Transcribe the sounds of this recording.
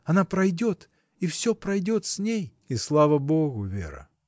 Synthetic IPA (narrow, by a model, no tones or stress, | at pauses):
ɐnapɾɐjdʲot̪ | ifsʲopɾɐjdʲo̞t̪sʲnʲej | islˠavəboɣʊvʲḛɾə̰